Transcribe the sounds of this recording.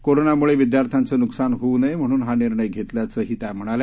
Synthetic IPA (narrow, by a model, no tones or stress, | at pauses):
koɾonamuɭeʋid̪jaɾt̪ʰjant͡səːnuksanɦounəjm̤əɽ̃uːnɦaniɾɳəjɡʱet̪ljat͡səːɦiːt̪jam̤əɽ̃alj